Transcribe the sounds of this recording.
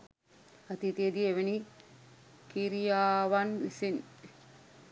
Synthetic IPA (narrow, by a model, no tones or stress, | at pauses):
at̪it̪ied̪ieʋeni | kiɾijaːʋanisin